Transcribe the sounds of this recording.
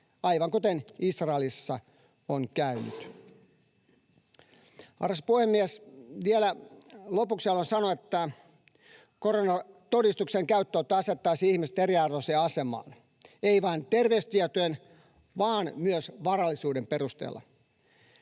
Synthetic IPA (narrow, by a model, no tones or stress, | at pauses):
ɑjʋɑŋkut̪enisrɑelisːɑ | oŋkæyny̰t̪ | ɑ̰rɑspuhemːiæsʋielælopuksɑlːonsɑnoet̪ːæ | koɾonɑt̪odist̪ukseŋkæyt̪ːout̪ːɑɑset̪ːɑisiːihmiset̪eɾiɑrʋoseːɑsemɑ̰ːn | eiʋɑːnt̪erʋeyst̪iɛt̪ojen | ʋɑːnmyøsʋɑrɑlːisuːdemperust̪ḛːlːɑ̰